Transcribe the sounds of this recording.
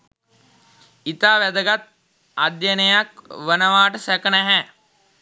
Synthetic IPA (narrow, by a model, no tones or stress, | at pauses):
it̪aːʋæd̪əɡat̪̚ | ad̪jənəjakʋənəʋaːʈəsɛkənɛɦɛː